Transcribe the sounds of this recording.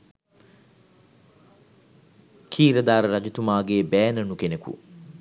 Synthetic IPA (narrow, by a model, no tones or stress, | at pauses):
kʰiːɾɐd̪aːɾəɾɐɡit̪umaːɡeːbɛːnɐnukenekṵ